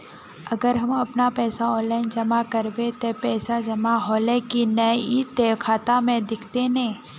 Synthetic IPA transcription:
ɐɡəɾɦɐmɐpnapɛːsaɔ̃ːnlaːɪnd͡ʒɐmakɐɾbet̪opɛːsad͡ʒɐmaɦoːlekinɐit̪eːkʰaːt̪amẽd̪ɪkʰt̪enẽː

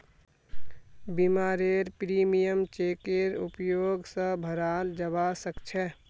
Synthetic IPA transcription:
bimaːɾeɾpɾimijəmt͡ʃeːkeɾṵpjoːɡsə̃bʱəɾaːld͡ʒəbasəkt͡ʃʰɛ

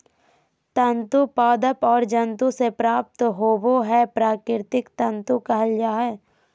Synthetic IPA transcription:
t̪ə̃nt̪upaːd̪əpɔːɾd͡ʒə̃nt̪ũsepɾaːp̚t̪ɦoːboɦɛpɾaːkɪɾt̪ɪkt̪ə̃nt̪ukɐɦəljaːɦɛː

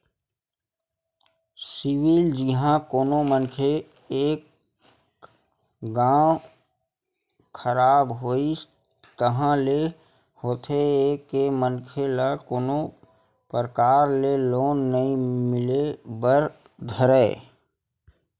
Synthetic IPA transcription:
sɪwɪld͡ʒɪɦãkoːnomənkʰe | eːk | ɡãː | kʰəɾaːbɦoːi | t̪əɦãle | hoːt̪ʰeːkːemənkʰelakoːno | pəɾəkaːɾleloːnːəĩmɪlebəɾ | d̪ʱəɾɛ

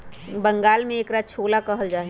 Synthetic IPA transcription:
bə̃ŋɡaːlmẽeːkɾaːt͡ʃʰoːlakɐɦəld͡ʒaːe

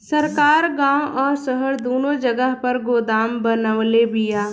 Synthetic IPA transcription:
səɾkaːɾɡãːwʔɔːɾsəɦəɾd̪oːnõd͡ʒəɡəɦpɐɾɡoːd̪aːmbənəʋlebɪjaː

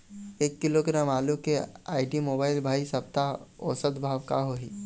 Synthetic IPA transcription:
eːkːɪloɡɾãːmaːlũkeaːɪʈimoːbaːɪlbʱaːisɐp̚t̪aɔ̰ːsət̪bʱaːʋka̰ɦoiː

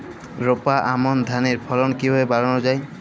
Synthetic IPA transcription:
ɾopaʔamɔnd̪ʱaneɾpʰɔlɔnkibɔebaɹɔnɔd͡ʒaj

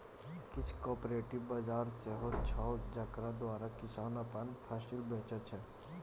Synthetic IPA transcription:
kɪt͡ʃʰkɔːpɾeːʈɪʋbɐd͡ʒaːɾseɦot͡ʃʰad͡ʒɐkɾad̪ʋaːɾakɪsaːnapənpʰaːsɪlbeːt͡ʃət͡ʃʰɛ

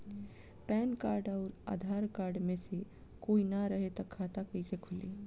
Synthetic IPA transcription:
pɛːnkaːɾɖaːɾa̰ːd̪ʱaːɾkaːɾɖmẽse | koːinaɾəɦet̪ɐkʰːaːt̪akɐisekʰʊlḛ

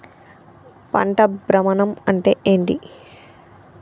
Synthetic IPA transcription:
pɐ̰ɳʈɐbɾɐmɐnɐmɐɳʈḛːʔeːɳʈi

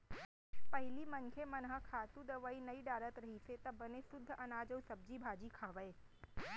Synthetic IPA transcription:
pɐɦɪlimɐnkʰeːmɐnɦəkʰaːt̪ud̪ɐʋaːinɐiɖaːɾət̪ɾɐɦiset̪ɐbɐnesʊd̪ʱːʔɐnaːd͡ʑəusɐb̚d͡ʑibʱaːd͡ʑikʰaːʋəeː

